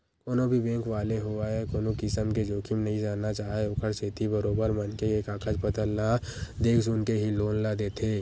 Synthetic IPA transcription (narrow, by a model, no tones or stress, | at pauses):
koːnõbʱibɛ̃ːŋkʋaːleɦoaɛkoːnõkɪsəmked͡ʒoːkʰimnɐɦĩd͡ʒaːnːat͡ʃaːɦeʊkʰəɾset̪ibɐɾoːbəɾmɐnkeeːkaːkʰəd͡ʒpət̪əlnad̪eːkʰsʊnkeɦiloːnlad̪eːt̪ʰeː